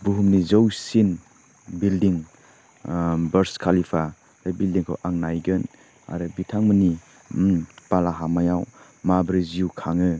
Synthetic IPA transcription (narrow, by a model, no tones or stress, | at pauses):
buɦumnizəwsin | bildiŋ | bɐɾskʰalipʰa | ɾɯbildiŋkʰa̰wʔaŋnajɡɯn | a̰ɾɯbitʰaŋməni | palaɦamajaw | mabɾiziukʰaŋɯ